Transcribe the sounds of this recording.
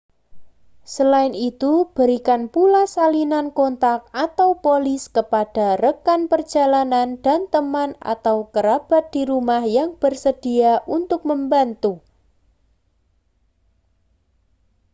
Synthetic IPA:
səlaɪnit̪ub̥ə̤ɾikanpulasalinankont̪ak̚at̪awpolɪskəpad̥a̤rəkanpər̥d͡ʒ̥a̤lanand̥a̤nt̪əmana̰t̪awkəɾab̥a̤t̪̚d̥iɾumahjaŋb̥ərsəd̥iaʔunt̪ʊk̚məmbant̪u

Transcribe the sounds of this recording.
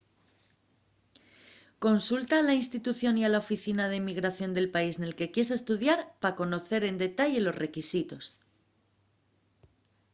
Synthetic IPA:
ko̞nsult̪aːlainst̪it̪uθjo̞nialaofiθinað̞e̞miɣɾaθjo̞nd̪e̞lpaisne̞lke̞kje̞s̬est̪uðjaɾpako̞no̞θe̞ɾe̞nd̪e̞t̪aʎe̞lo̞sre̞kisit̪o̞s

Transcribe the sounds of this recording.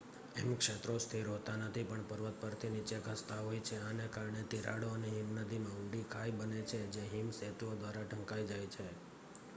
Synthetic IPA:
ḛmũkʃet̪ɾost̪ʰiɾɦot̪anət̪ʰipəɳpəɾʋət̪̚pəɾt̪ʰinit͡ʃekəst̪aɦojt͡ʃʰeanekaɾɳet̪iɾa̰ɽoəneɦimnəd̪ʱimãʊɳɖikʰajbənet͡ʃʰed͡ʒeɦimset̪uod̪ʋaɾaʈʰə̃ŋkajd͡ʒajt͡ʃʰe

